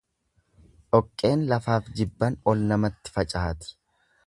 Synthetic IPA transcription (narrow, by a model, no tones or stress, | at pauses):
ʔɔkʼːe̞ːnlɐfaːfd͡ʒɪbːɐnɔlnɐmɐt̪ːɪ̥fɐt͡ʃʼaːt̪ɪ̥